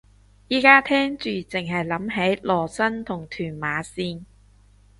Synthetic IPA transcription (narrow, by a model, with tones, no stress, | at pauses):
jiː˨˥kaː˥t̪ʰɛː˥ŋt͡ʃyː˨t͡sɪ˨ŋɦɐ˨jlɐ˨˥mɦe˨˥jlɔː˨˩sɐ˥nt̪ʰʊ˨˩ŋt̪ʰyː˨˩nmaː˨˧siː˧n